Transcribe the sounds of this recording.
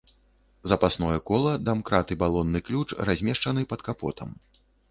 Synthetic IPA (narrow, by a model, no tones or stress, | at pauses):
zɐpasnɔjɛkɔlˠɐd̪amkɾat̪ɨbalˠɔnːɨklʲut͡ʂrazʲmʲɛʂt͡ʂɐnɨpɐt̪kapɔ̰t̪ʰɐ̰m